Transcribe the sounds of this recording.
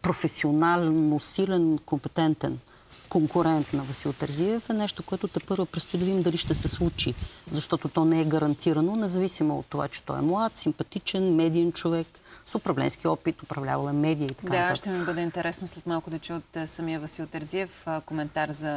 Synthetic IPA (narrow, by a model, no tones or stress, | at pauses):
pɾofɛsionalnosilɛnkompɛt̪ɛnt̪ɛ̰n | koŋkʊɾɛnt̪nɐvɐsilˠt̪ɛɾziɛfɛnɛʃt̪okoɛt̪ʊt̪ɛpɤɾvəpɾɛst̪oid̪ʊvimd̪ɐliʃt̪ɛsɛslˠut͡ʃizɐʃt̪ɔt̪ot̪ɔnɛɛɡɐɾɐnt̪ʰiɾɐnonɛzɐvisimoo̰t̪ːova̰t͡ʃɛ̥t̪ɔ̰ɛ̰mlˠat̪simpɐt̪it͡ʃɛnmɛd̪iɛnt͡ʃovɛksopɾɐvlɛ̰nsk̟iɔpit̪opɾɐvlʲa̰vɐlˠɛmɛd̪ijəit̪ɐkad̪nat̪aʃət̪ɛmibəd̪ɛint̪ɛɾʔɛsnoslɛt̪malˠkʊd̪ɐt͡ʃuot̪ːsɐmiəvɐsilˠt̪ɛɾziɛfkomɛnt̪aɾzɐ